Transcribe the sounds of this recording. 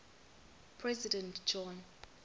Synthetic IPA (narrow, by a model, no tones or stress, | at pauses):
pʰɹɛzidɛ̃ntd͡ʒɔ̃n